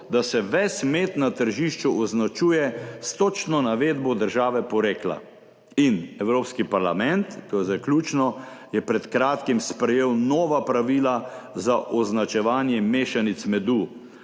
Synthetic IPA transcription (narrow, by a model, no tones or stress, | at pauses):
d̪asɛʋɛsmeːt̪nat̪əɾʒiʃt͡ʃuʔɔznat͡ʃuːjɛst̪ot͡ʃnɔnaʋeːd̪bɔd̪əɾʒaːʋɛpɔɾeːkla̰ | inɛwɾoːpskipaɾlamɛnt̪ːoːjɛzaklʲuːt͡ʃnɔ | jɛpɾɛt̪kɾaːt̪kimspɾɛjeːwnɔːʋapɾaʋiːlazaʔɔznat͡ʃɛʋaːnjɛmeːʃanit̪smɛd̪uː